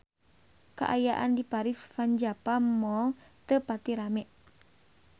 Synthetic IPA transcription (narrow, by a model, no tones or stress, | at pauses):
ka̰ʔajaʔandipaɾisfaɲd͡ʒapamɔlt̪əpat̪iɾamɛʔ